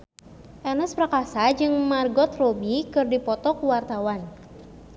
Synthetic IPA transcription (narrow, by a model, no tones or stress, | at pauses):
ʔɛnəspɾakasad͡ʒɨŋmarɡɔt̪rɔbikɨrdipɔt̪ɔkuwart̪awan